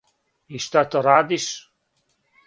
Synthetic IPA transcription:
ist̪at̪oɾad̪is

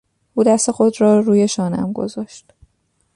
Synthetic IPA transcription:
ʔuːd̪æst̪e̞xo̞d̪ɾɒːɾuːje̞ʃɒːnæ̰mɡo̞̰zɒːʃt̪

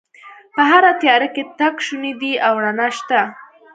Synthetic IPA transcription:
pəɦaɾat̪jɑɾaket̪akʃunid̪iawɾanaʃt̪a

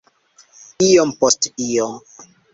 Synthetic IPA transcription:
ijompostijɔm

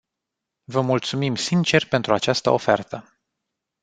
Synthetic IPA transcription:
vəmult̪sumimsint͡ʃe̞rpe̞nt̪ɾuat͡ʃast̪ə̰ofḛrt̪ə

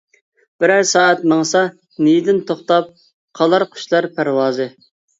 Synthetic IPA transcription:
b̥ɪɾæɾsɑːɛt̪mɑŋsɑ | nijd̪ɪnt̪ʰoχt̪ɑp̚ | qʰɑlˠɑɾqʰy̥ʃlˠɑɾpʰæɾwɑːzɨ

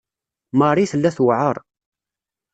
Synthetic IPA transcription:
mɑrˤiθəlːæθwʕəɾˤ

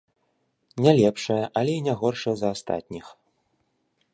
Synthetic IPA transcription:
nʲalʲɛpʂɐjɐʔɐlʲɛinʲaɣɔrʂɐzɐːst̪a̰t̪ʲnʲix

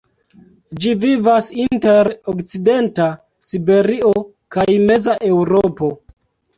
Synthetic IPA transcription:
d͡ʒivivasinte̞ɾokt͡side̞nta | sibe̞ɾio̞ | kajme̞zaʔe̞wɾopo̞

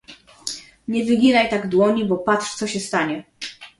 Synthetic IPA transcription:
ɲɛvɘɡʲinajt̪aɡd̪wɔɲibɔpatʂt̪sɔɕɛst̪aɲɛ

